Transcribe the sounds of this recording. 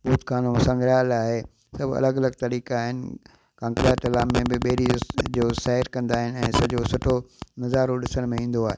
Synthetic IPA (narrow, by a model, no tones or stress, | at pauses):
buːt̪kʰaːnũsɐ̃ŋɡʱɾaːlaːɦe | sɐbʱɐ̰ləɡɐləɡt̪ɐɾiːkaːɦɪnɪ̆ | kãːŋkɾaːʈɐlaːmːẽbɪɓeːɾid͡ʑoːsaːɪɾkɐ̃nd̪aːɦɪnɪ̆ɛ̃ːsɐd͡ʑoːsʊʈʰonɐzaːɾoɗɪsəɽ̃mẽĩːn̆d̪oaːɦeː